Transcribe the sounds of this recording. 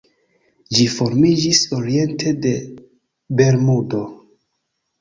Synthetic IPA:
d͡ʒifo̞ɾmid͡ʒiso̞ɾie̞ntʰe̞de̞ | be̞ɾmudo̞

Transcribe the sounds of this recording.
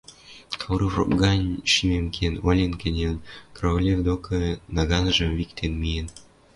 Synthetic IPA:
kʰɑwɾufro̰pɡɑnʲʃimemkʲʰenolʲenkʲĕnʲenkroolʲevd̪okʰɤ̆nɑɣɑnʒə̆mvikt̪ʰenmijen

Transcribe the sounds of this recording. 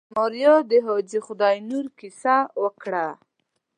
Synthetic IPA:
mɔɾjod̪əɦod͡ʒixʊd̪ɑjnuɾkisawəkɽa

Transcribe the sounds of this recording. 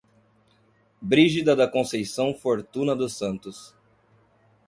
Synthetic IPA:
bɾiʒid̪ɐd̪ɐkõsejsɐ̃w̃foɾt̪ũnɐd̪ʊsɐ̃nt̪ʊs

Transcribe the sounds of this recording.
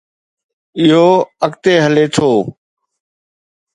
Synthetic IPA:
ɪɦoːəkt̪eːɦəleːt̪ʰoː

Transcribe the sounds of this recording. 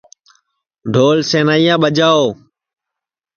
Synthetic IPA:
ɖʱoːlsẽːnaːijãːɓəd͡ʒaːoː

